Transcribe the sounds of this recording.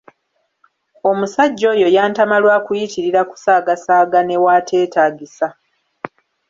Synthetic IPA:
o̞musaɟːo̞ːjo̞jaːntamalwaːkujitiɾiɾaku̥saːɡasaːɡane̞waːtʰe̞ːtaːɡisa

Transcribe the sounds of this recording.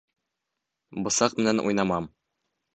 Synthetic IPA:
bɤ̆sɑqmɘ̆nænʔṵjnɑmɑm

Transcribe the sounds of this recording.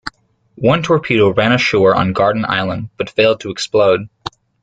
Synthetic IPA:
wʌ̃ntʰɔɹpʰiɾoʊɹæ̃ñɨʃɔɹə̰̃nɡɑɹdⁿn̩a̰ɪlˠə̃ndb̥ʌtfeɪlˠd̚tʰəɨksploʊd̥̚

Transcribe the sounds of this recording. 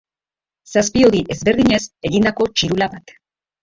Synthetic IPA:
saspio̞ðiʔe̞zβe̞ɾðiɲe̞se̞ɣind̪ako̞t͡ʃiɾulaβat̪

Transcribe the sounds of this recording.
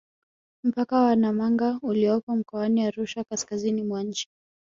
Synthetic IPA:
m̩pakawanamaŋɡauliɔpɔm̩kɔaniaɾuʃakaskazinimwaɲ̩t͡ʃi̥

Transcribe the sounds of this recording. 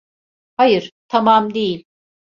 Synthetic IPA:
hajɯɾ̥t̪ʰamamd̪ejilʲ

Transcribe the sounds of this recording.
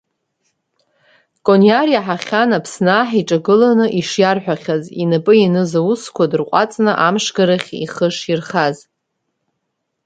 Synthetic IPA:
kʼoniaɾjaħaχʲanapʰsnaːħiʈ͡ʂʼaɡɨlanɨʔiʂjarħʷᶣaχʲazinapʼɨjinɨzauskʷʰadɨrqʷʼa̰t͡sʼnɨʔamʂɡaɾaχʲḭχəʂirχaz

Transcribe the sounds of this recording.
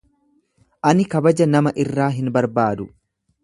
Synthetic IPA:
ʔɐnɪkɐbɐd͡ʒɐnɐmɐʔɪrːaːɦɪnbɐɾbaːd̪ʊ

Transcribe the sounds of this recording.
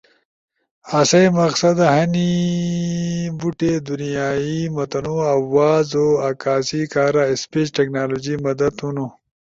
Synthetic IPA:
asɐjmɐqsɐd̪aɦɐni | buʈed̪unijaːimɐt̪ɐnoɐwːaːzoakaːsikaːɾaespeːt͡ʃʈeknaːloːd͡ʑimɐd̪ɐd̪unu

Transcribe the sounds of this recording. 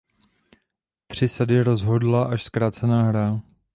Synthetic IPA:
t̪r̝̥ɪsadɪɾozɦo̞dlaʔaʃskɾaːt͡sɛnaːɦɾa

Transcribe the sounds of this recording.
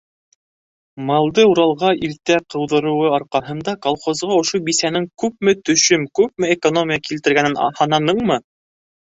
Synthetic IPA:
mɑlˠd̪ɤuɾɑlˠʁɑʔilt̪æqɤ̆wðɤ̆ɾɤ̆wɤɑɾqɑɦɤ̆nd̪ɑkolˠχozʁɑŏʃobisænɘŋkʉp̚mɘt̪ɵ̆ʃɵmkʉp̚mɘekonomʲɪjɑkilt̪ɘ̆ɾɡænɘnhɑnɑnɤɴmɤ

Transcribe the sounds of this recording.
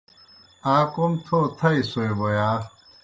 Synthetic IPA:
aːkomt̪ʰoːt̪ʰɐisoebojaː

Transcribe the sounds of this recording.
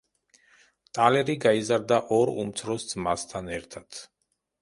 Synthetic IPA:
t̪ʼalɛɾiɡaizaɾd̪aʔɔɾṵmt̪sʰɾɔsd̪zmast̪ʰanɛɾt̪ʰad̪̥

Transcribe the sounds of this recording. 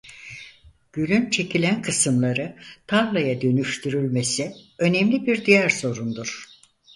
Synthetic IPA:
ɟ̥ylʲynt͡ʃʰe̞cʰilʲænkʰɯsɯmlˠaɾɯt̪ʰaɾlˠajad̪ø̞nyʃt̪ʰyɾylʲme̞siø̞nemlʲibiɾd̪ijæɾso̞ɾund̪uɾ̥

